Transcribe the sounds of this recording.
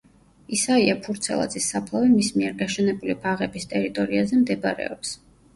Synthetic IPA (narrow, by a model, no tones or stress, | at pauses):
isaiapʰuɾt̪sʰɛ̰lˠa̰d̪zʼisːapʰlˠavimismiɛɾɡaʃɛnɛbulipʰaʁɛbist̪ʼɛɾit̪ʼɔɾiazɛmd̪ɛbaɾɛ̰ɔps